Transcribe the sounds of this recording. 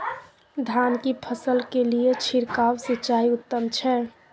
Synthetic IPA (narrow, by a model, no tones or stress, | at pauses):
d̪ʱankipʰəsəlkeliet͡ʃʰiɾkawsit͡ʃːaiʊt̪ːəmt͡ʃʰɛ